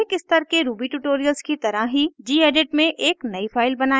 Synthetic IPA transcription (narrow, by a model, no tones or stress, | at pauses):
kɪst̪ɐɾkeɾuːbiʈuːʈoːɾijəlzkit̪ɐɾaɦɦid͡ʒiːeːɖeːʈmẽʔeːknɐifaːɪlbɐnaː